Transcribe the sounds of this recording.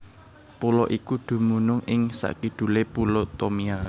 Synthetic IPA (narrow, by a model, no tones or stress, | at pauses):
pulɔʔikuɖ̪̥ṳmunʊŋɪŋsa̰ʔkiɖ̥ṳlepulot̪omia